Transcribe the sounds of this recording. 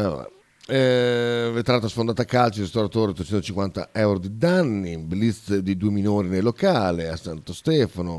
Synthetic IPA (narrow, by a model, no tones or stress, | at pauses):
alo̰ːɾa̰ | ɛvet̪ɾaːt̪ːasfond̪aːt̪akːalt͡ʃiɾist̪aɾat̪oːɾeot̪ːet͡ʃɛnt̪ot͡ʃiŋkwant̪a̰ɛwɾod̪id̪anːiblist̪d̪id̪uːeminoːɾinelːokaːleasant̪ost̪ɛːfano